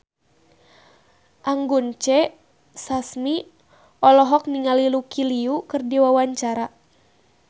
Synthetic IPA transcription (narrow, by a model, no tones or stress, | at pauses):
ʔaŋɡunt͡ʃɛ | sasmi | ɔlɔɦɔk̚niŋalilukiliukɨrdiwawaɲt͡ʃaɾa